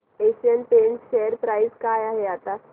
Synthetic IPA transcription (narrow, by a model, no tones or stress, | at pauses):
eɕiənpensʃeəɾpɾajzkajaɦeat̪a